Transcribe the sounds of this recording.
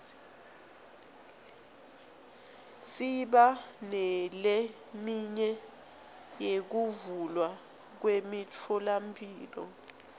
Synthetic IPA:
siɓanɛle | miɲɛ | jek̬uvulwa | k̬wemit͡fʰɔlampʰʼiːlɔ̰

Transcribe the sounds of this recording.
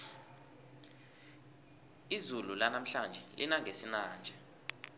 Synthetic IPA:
izululanam̩ɬand͡ʒʱɛlʔḭnaŋʱesinaːnd͡ʒʱɛ

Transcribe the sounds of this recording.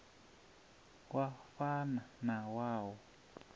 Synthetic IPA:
waɸananãwawo

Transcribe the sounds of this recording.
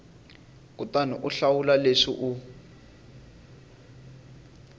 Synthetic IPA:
kutaniʔuɬawulaleʂḭʔu

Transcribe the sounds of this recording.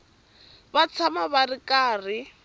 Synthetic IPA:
bat͡sʰamabarɪkʼaːrɪ

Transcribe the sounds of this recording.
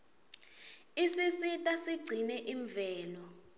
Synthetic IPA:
isisitʼasiɡ͡ǀʱinɛʔiɱvɛːlɔ

